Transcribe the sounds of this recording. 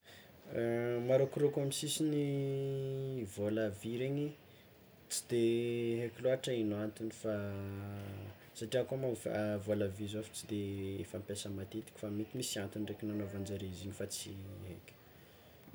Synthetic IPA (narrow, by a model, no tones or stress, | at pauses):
maɾokɾokomisisini | volaviɾeɲi | t͡si̥d̪eɦekʲloaʈ͡ʂainant̪unifa | saʈ͡ʂiakamafvolavizofi̥t͡sid̪eḛfampʲjasəmat̪et̪i̥kʲi̥famit̪imisiant̪unrekʲinanovand͡zaɾeiziɲifat͡siɦḛkʲ